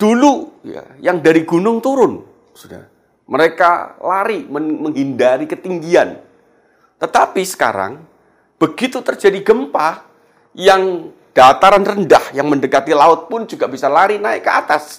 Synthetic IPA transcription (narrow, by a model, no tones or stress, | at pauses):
d̥uluja̰jaŋdaɾiɡunʊŋt̪uɾʊn | suda̰ | məɾeka̰la̰ɾiməməŋɦindaɾikət̪iŋɡian | t̪ət̪apisə̥ka̰ɾa̰ŋ | b̥əɡit̪ut̪ərd͡ʒadiɡəmpa | jaŋ | d̥at̪aɾanrəndahjaŋməndəkat̪ilaʊt̪̚pʊnd͡ʒuɡaʔbisalaɾinaɪkːəat̪as